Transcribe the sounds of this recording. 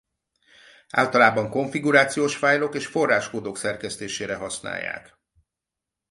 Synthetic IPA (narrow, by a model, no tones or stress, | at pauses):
a̰ːlt̪ɒlaːbɒŋko̞ɱfiɡuɾaːt̪sijoːʃfaːjlo̞keːʃfo̞rːaːʃkoːd̪oksɛrkɛst̪eːʃeːɾɛɦɒsna̰ːjːa̰ːk